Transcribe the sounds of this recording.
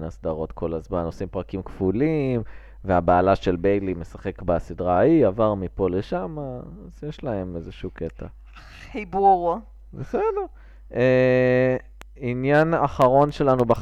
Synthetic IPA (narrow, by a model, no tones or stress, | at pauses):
nasd̪aʁo̞t̪kʰo̞lazmano̞simpʁakimkfulim | veabaːlaʃe̞lbejlime̞saχe̞kbasidʁaiavaʁmipo̞le̞ʃamaazjeʃlae̞mezeʃuket̪a | ibuʁ | vesedeʁ | e | injanaχaʁo̞nʃe̞lanuba